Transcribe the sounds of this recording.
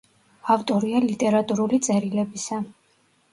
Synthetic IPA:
aft̪ʼɔɾialit̪ʼɛɾat̪ʼuɾulit̪sʼɛɾilɛbisa

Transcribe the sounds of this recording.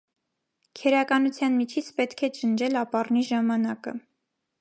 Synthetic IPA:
kʰɛɾɑkɑnut͡sʰjɑnmit͡ʃʰit͡sʰpɛt̪kʰɛt͡ʃənd͡ʒɛlɑpɑrniʒɑmɑnɑkə̰

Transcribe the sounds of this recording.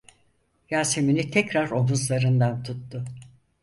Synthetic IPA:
jaːseminit̪ʰɛcɾaɾo̞ɦuzlˠaɾɯnd̪ant̪ʰut̪ːʊ

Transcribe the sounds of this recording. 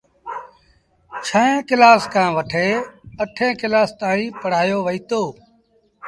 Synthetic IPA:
t͡ʃʰəẽːkɪlaːskãːʋəʈʰeːəʈʰẽːkɪlaːst̪aːɾĩːpəɽ̤aːjoːʋəiːt̪oː

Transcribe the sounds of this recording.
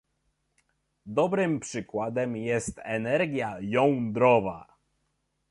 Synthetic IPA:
d̪ɔbɾɘmpʂɘkwad̪ɛmjɛst̪ɛnɛɾɡʲjajɔ̃w̪̃d̪ɾɔva̰

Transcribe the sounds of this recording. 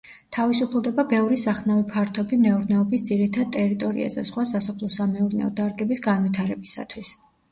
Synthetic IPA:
t̪ʰavisupʰlˠd̪ɛbabɛvɾisaχnavipʰaɾt̪ʰɔbimɛuɾnɛɔbisd̪ziɾit̪ʰad̪̚t̪ʼɛɾit̪ʼɔɾḭa̰zɛ̰sχwasasɔpʰlˠɔsamɛuɾnɛ̰ɔ̰d̪aɾɡɛbisɡanvit̪ʰaɾɛbisa̰t̪ʰwis

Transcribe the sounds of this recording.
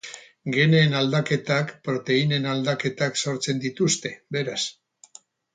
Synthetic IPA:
ɡe̞ne̞ːnald̪ake̞t̪akpɾo̞t̪e̞ine̞nald̪ake̞t̪akso̞ɾt͡se̞nd̪it̪ust̪e̞be̞ɾas

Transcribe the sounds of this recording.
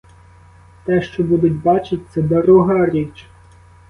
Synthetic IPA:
t̪ɛʃt͡ʃɔbud̪ʊt̚ʲbɑt͡ʃɪt̚ʲt̪sɛd̪ɔɾuɦɑɾʲit͡ʃ

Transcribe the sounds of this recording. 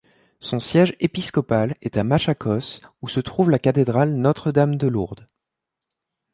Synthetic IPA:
sɔ̃sjɛʒepiskɔpalɛt̪amaʃakʰɔsusət̪χuvlakat̪ed̪ʁalnɔt̪χəd̪amd̪əluʁd̪

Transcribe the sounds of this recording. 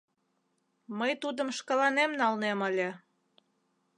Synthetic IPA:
məjt̪ud̪əmʃkəlɑnemnɑlneməlʲe

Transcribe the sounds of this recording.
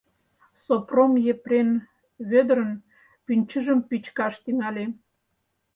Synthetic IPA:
sopromjepren | βød̪ɾə̆n | pynʲt͡ɕəʒə̆mpit͡ɕkɑʃt̪yŋɑlʲe

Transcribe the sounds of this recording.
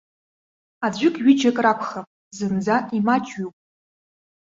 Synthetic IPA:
ad͡ʑʷɪkʼɥɪd͡ʒakʼrapʷʰχapʼ | zɨmd͡zaʔimat͡ʃʼɥupʼ

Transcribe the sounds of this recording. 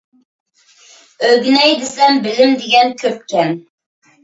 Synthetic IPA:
øɡʲynɛjd̪ɪsɛmbɪlɪmd̪ɪɡʲɛnkʲʰøp̚kʲɛn

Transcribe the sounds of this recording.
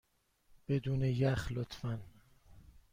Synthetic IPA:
b̥ed̪uːnejæxlot̪ʰfæn

